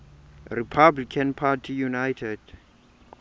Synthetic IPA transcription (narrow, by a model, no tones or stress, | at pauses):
ripʰablikʰãnpʰatʰijunajtʰɛd̥